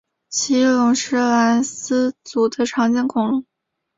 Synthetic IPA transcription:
t͡ɕʰi˧˥lʊ˧˥ŋʂɻ̩˥˩la˧˥ns̩˥t͡su˨˩d̪ə˧ʈ͡ʂʰɑ˧˥ŋt͡ɕjɛ˥nkʰʊ˧˥ŋlʊ˧˥

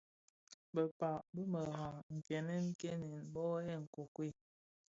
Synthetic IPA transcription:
bə˨pa˨bə˦mə˨ɦa˨ŋŋ̩˨ke˨nɛ˦ŋ̩˦ke˦ne˨nbɔ˦ɛ˦˨ŋ̩˨ko˨kwe˦˨

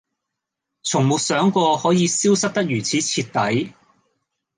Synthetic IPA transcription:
t͡sʰʊ˨˩ŋmʊ˨k̚sœː˨˥ŋkɔː˧hɔː˨˥jiː˨˧siː˥wsɐ˥k̚t̪ɐ˥k̚jyː˨˩t͡sʰiː˨˥t͡sʰiː˧t̚t̪ɐ˨˥j

